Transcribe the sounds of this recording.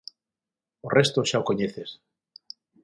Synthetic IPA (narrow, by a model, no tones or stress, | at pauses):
orest̪oʃaokoɲeθes